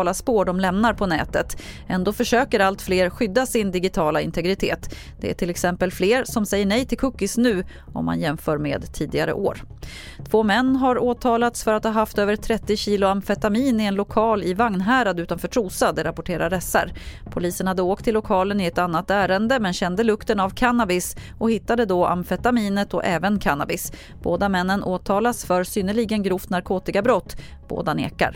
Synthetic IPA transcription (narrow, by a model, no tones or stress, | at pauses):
laspoːɖɔmlɛmnaɾpʰɔnɛ̰ːt̪ət̪ɛnd̪oːfœʂøːkəɾalt̪fleːɾɧʏd̪ːasɪnd̪ɪɡɪt̪ʰɑːlaɪnt̪ʰɛɡɾɪt̪ʰeːt̪ | d̪̥ɛ̰æ̰ʈʰɪlɛksɛmpəlfleːɾsɔmsɛjːəɳɛjt̪ʰɪlkʰɵkːɪsnʉ̟ː | ʔɔ̰mːa̰njɛmfœːɾmḛːd̪t̪ʰiːd̪ɪɡa̰ɾə̰ʔo̰ːɾ | t̪ʰv̥oːmɛnːɦaɾoːt̪ʰɑːlat̪sfœɾat̪hɑːɦaft̪øːvəɾt̪ʰɾɛt̪ːɪɕiːlʊamfɛt̪amiːnɪɛnlʊkʰɑːlɪvaŋnɦæːɾad̪ʉ̟ːt̪anfœːʈʰɾuːsad̪ɛɾapʊʈʰeːɾaɾɛsa̰ɾpʰʊliːsənhad̪ːəoːk̚t̪ʰːɪlːʊkʰɑːlənɪɛt̪an̪ːat̪æːɾənd̪əmɛnɕɛnd̪əlɵkt̪ənavkʰanabɪs | ɔhɪt̪ːad̪əd̪ɔʔa̰mfɛt̪amiːnət̪ɔʔɛːvənkʰanːabɪs | b̥oːd̪amɛnːənʔoːt̪ʰɑːlasfœɾsʏnəɭiːɡənɡɾuːft̪naɾkʰoːt̪ɪkabɾɔt̪ːb̥o̰ːd̪anḛːka̰ɾ